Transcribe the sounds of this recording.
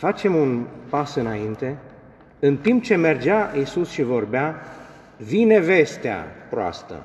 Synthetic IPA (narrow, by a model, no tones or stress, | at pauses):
fat͡ʃe̞munpasɨnaint̪e̞ | ɨnt̪imp̚t͡ʃe̞me̞rd͡ʒaisusʃivo̞rbea | vine̞ve̞st̪ea̰pɾoa̰st̪ə̰